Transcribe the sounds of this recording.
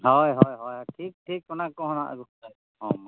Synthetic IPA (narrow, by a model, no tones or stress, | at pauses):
ɦɔjɦɔjɦɔjaʈʰik̚ʈʰik̚kɔnakːɔɦɔna̰ʔa̰ɡukta | ɔma